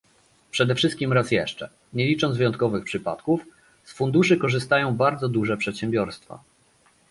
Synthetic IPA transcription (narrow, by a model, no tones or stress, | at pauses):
pʂɛd̪ɛfʂɘst̪kʲimɾasjɛʂt͡ʂɛ̰ | ɲɛlʲit͡ʂɔnvɘjɔnt̪̚kɔvɘxpʂɘpa̰t̪kuf | sfund̪uʂɘkɔʐɘst̪ajɔ̃w̃baɾd̪zɔd̪uʐɛpʂɛt̪ɕɛmbʲjɔɾst̪fa̰